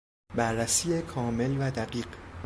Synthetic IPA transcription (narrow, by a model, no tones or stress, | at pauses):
bæɾːæsiːjekʰɒːme̞lvæd̪æɢiːɢ